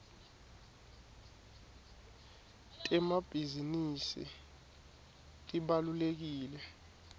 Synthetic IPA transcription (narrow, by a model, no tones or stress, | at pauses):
tʼɛmab̥ʱizinisḭ | tʼiɓalulek̬iːlɛ